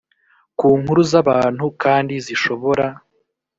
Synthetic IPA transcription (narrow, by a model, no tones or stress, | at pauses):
kuːŋhuɾuzaβaːn̥hukaːndiziʃo̞βo̞ɾa